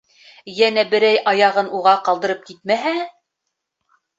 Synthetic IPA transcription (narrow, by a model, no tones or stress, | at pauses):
jænæbɘ̆ɾæjʔɑjɑʁɤnʔuʁɑqɑlˠd̪ɤ̆ɾɤp̚kit̪̚mæɦæ